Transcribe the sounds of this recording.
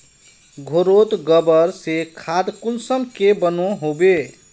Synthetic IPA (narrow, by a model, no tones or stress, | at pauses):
ɡʱoɾot̪ɡəbəɾsekʰad̪kulsənkebənoɦobe